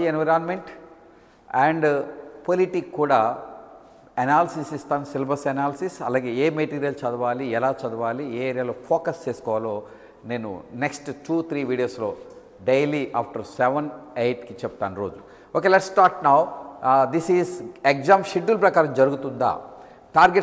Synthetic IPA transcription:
enʋɐɾaːnmeɳʈ | ɛːɳɖpoliʈikːuːɽaː | ɐnaːlɐsisist̪aːnsilbɐɾsɐnaːlɐsisɐ̰laːɡe̞ːeːmeʈiːɾijɐlt͡ʃɐd̪ɐʋaːliɛlaːt͡ʃɐd̪ɐʋaːlieːeːɾijaloːpʰoːkɐst͡ʃeːsu̥kɔːʋalo̞ː | ne̞ːnṵneksʈʈuːt̪ʰɾiːʋiːɖijoːslo̞ː | ɖejliʔaːpʈɐɾsɛʋɐnejʈkit͡ʃɛp̚t̪aːnuɾo̞ːd͡ʒu | oːkeːlɛʈsːʈaːɾʈnɐwd̪isiːzekzaːmʃiɖːulpɾɐkaːɾɐmd͡ʒɐɾuɡut̪und̪a̰ː | ʈaːɾɡeʈ

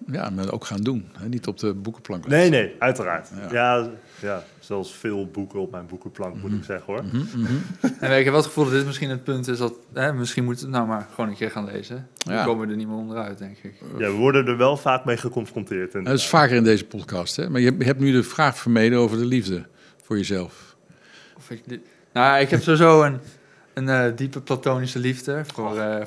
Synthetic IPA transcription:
ja̰maʔo̰wkχaːndunhɛnitɔp̚dəbukəplɑŋknejnejœɥtəra̰ːɹtja | ja | sɛlˠsfɪːlˠbukəɔp̚mɛjnbukəplɑŋkmutɪksɛχəoɹ | ɛnɪkɦɛpʋɛlˠətχə̥fulˠdɑdɪtmɪsχinətpɵntɪsdɑtɦɛmɪsχinmutətnawmaːɹχʋownənkɪːɹχaːnlḛjzəoːməʋədənimntɔndərœɥt̚dɛŋkɪkjaʋəʋɔɹdəndəɹʋɛlˠfaːk̚mejχəkɔnfrɔntɪːɹtɛnətɪsfaːkərɪndejzəpɔtkɑsthɛ̰maːɹjəɛɦɛp̚nydəfraːχfəɹmejdəowvəɹdəlivdə | fʊːɹjəzɛlˠf | ɔf | nojaɪkɦɛpsowizowən | ənədipəplatownisəlivdəfor

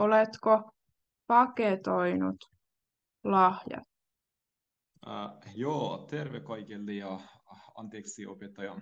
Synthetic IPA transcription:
olet̪ko | pɑket̪o̞jnṵt̪ | lɑhjɑ̰t̪ | joːt̪eɾʋekɑjkelːejɑɑ̰nt̪eːksiʔo̰pet̪ːɑjɑ

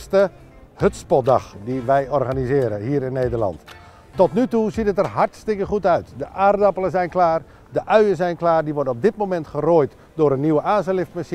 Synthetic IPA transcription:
stə | høtspɔt̚dɑ̰xdiʋɛjɔrɣanizɪːɾəɦiːɾɪnːeːdərlɑ̰nt | tɔtnytuzitətərhartstɪkəχutœɥtdəʔaːrdɑpəlˠəzɛjnklaːr | dəʔœɥəzɛjnklaːrdiʋɔrdənɔp̚dɪt̚momɛntχəroːjt | dʊːɾənːiwəʔaːsəlɪftmas

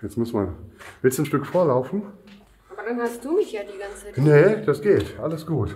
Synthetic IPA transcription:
jɛt͡smʊsmanvɪɐtsn̩ʃtʏkfoːɐlaʊfn̩ | ʔabɐdanhastd̥uːmɪçjaːdiːɡant͡snəd̥asɡ̥eːtʔaləsɡ̥uːt

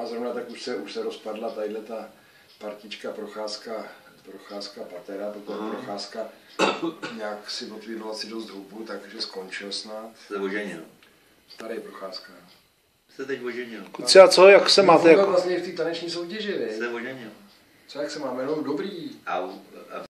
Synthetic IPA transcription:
ʔazɾo̞vnat̪akuʃsɛuʃsɛɾospadlat̪ajɪdlɛt̪a | paɾcɪt͡ʃkapɾo̞xaːska | pɾoxaːskapat̪ɛɾap̪ɾt̪oɛpɾoxaːska | ɲaːksɪvo̞t̪vʋiːdloasɪdo̞st̪ɦubut̪akʒɛsko̞nt͡ʃɪlsnat̪sɛoʒɛɲɪl | t̪aɾɪjɛpɾoxaːska | sɛt̪ɛcvoʒɛɲɪlkut͡sɛat͡sojaksɛmaːt̪ɛjalasɲɛɪft̪iːt̪anɛt͡ʃɲiːso̞wcɛʒɪsɛoʒɛɲɪl | t͡sojaksɛmaːmɛlodobɾiːa

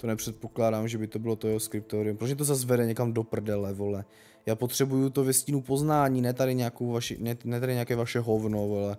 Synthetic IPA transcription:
t̪onɛpr̥ɛt̪̚po̞klaːdaːmʒɛbɪt̪obɪlo̞t̪ojɛɦoskɾɪp̚t̪oɾɪumpɾosɲɛt̪ozaz̬vɛdɛɲɛkamdo̞pr̩dɛlɛvolɛ | jaːpot̪r̝̥ɛbujut̪ovɛscinupo̞znaːɲiːnɛːt̪adɪɲɛakowvaʃḭnɛnɛt̪adɪɲɛakɛːvaʃɛɦovnovolɛ

